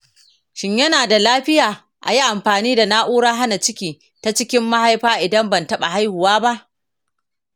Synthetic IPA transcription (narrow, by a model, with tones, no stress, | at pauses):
ʃɪ˦ɲjɐ˦naː˨da˨laː˦ɸɪ˦jaː˨ | ʔa̰˨ji˦ʔa˨mɸaː˨niː˦da˨naː˦ʔuː˦ɽaː˦ɦa˦na˨t͡ʃɪ˦kʲiː˨ | ta˦t͡ʃɪ˦kʲɪ˦mːa˦ha˦jɸaː˦ʔɪ˨dɐ˦mbɐ˨ntɐ˦ɓa̰˨ɦa˦jhʊ˨waː˦ba˦ʔ